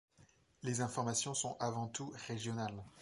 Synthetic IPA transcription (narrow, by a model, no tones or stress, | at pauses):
lezɛ̃fɔʁmasjɔ̃sɔ̃ʔavɑ̃t̪uʁeʒjɔnal